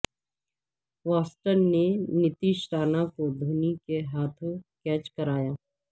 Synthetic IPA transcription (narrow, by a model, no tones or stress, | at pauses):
ʋaːsʈəɾnenɪt̪iːʃɾaːnakod̪ʱuːnikeɦaːt̪ʰõkɛːt͡ʃkɐɾaːjaː